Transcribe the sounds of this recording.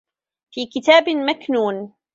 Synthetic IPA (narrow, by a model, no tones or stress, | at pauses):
fiːkɪt̪aːbmaknuːn